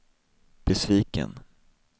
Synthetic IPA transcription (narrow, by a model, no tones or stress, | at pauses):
b̥ɛsviːkə̰n